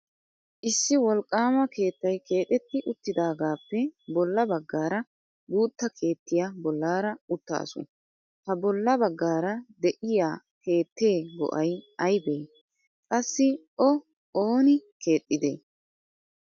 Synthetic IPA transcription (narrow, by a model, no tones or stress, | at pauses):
ʔɪsːɪwɔlkʼːaːmɐke̞ːt̪ːɐjke̞ːt̪ʼɛt̪ːɪʔʊt̪ːɪd̪aːɡaːpːɛbɔlːɐbɐɡːaːɾɐ | ɡuːt̪ːɐkʰe̞ːt̪ːɪjabɔlːaːɾɐʊt̪ːa̰ːsʊ̰ | t̪ɐbɔlːɐbɐɡːaːɾɐd̪ɛʔɪjaː | ke̞ːt̪ːe̞ːɡɔ̰ʔɐjɐjbeː | kʼɐsːɪ | ɔ | oːnɪkʰe̞ːt̪ʼːɪd̪ḛː